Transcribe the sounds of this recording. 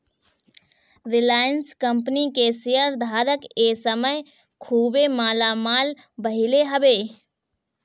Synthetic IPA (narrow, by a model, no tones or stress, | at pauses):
ɾɪlaːjənskəmpnikesijəɾd̪ʱaːɾəkesəməj | kʰuːbemaːlamaːl | bəɦɪleɦəbeː